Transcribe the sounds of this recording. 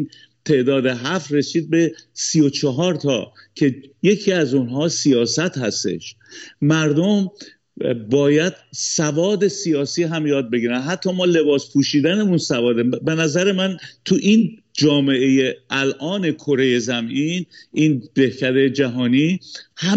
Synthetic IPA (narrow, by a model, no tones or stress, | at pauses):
t̪ʰe̞ʔd̪ɒːd̪e̞ɦæfre̞siːd̪̚be̞sijo̞t͡ʃʰeɦɒːɾt̪ʰɒ̰ː | cʰe̞je̞cʰiːæzunɦɒːsijɒːsæt̪hæst̪e̞̰ʃ | mæɾd̪om | bɒːjæd̪̥̚sævɒːd̪e̞sijɒːsiːɦæmjɒːd̪̚be̞ɡiːɾænɦæt̪ʰːɒːmɒːle̞bɒːspʰuːʃiːd̪æneunsævɒːd̪ebe̞næzæɾe̞mænt̪ʰuʔin | d͡ʒɒːme̞ʔejeælʔɒːne̞kʰoɾe̞je̞zæmʔinʔiːnd̪ehcʰæd̪e̞d͡ʒæɦɒːniːhæ